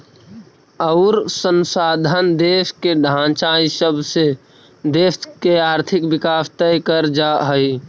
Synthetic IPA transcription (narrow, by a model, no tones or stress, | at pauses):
əʊɾsənsaːd̪ʱand̪eskeɖʱãt͡ʃaisəbʱse | d̪eːskeaːɾt̪ʰɪkbɪkaːst̪ɛjkəɾd͡ʒaɦəi